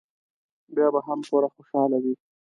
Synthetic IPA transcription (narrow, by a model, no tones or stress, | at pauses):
bjɑbaɦamkoɾaxoʃɑlawi